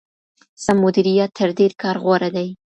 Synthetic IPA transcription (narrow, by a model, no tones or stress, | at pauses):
samʊd̪iɾijat̪ʰːəɾd̪eɾkɑɾɣwaɾad̪aj